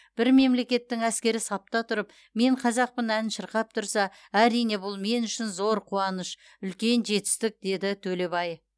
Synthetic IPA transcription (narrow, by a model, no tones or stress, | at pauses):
b̥ɪɾme̞mle̞kʲe̞t̪ːɪŋæskʲe̞ɾɪsɑp̚t̪ɑt̪ʰʊɾəp | me̞ɴqʰɑzɑq̚pənænnʃəɾqɑp̚t̪ʰʊɾsɑ | æɾijne̞bʊlˠme̞nʏʃɪnzo̞ɾqʰuɑnəʃ | ʏlkʲe̞nʒe̞t̪ɪ̥st̪ɪk̚d̪e̞d̪ɪt̪ʰɵle̞bɑj